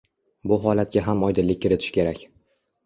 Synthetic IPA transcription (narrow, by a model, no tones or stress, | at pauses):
bʊɦɒlat̪̚ɡʲaɦamɒjd̪ɪlɪk̚ʲkʰːɪɾɪt̪ʰɪ̥ʃkʲʰe̞ɾakʲ